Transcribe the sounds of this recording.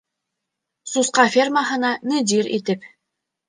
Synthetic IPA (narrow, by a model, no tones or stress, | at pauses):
susqɑfʲermaɦɤ̆nɑnɨd̪ʲiɾḭt̪ɘp